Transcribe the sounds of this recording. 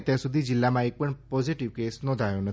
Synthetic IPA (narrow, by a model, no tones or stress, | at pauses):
t̪jãsud̪ʱid͡ʒɪlːamãek̚pəɳpɔziʈiʋkesnɔ̃nd̪ʱajõnət̪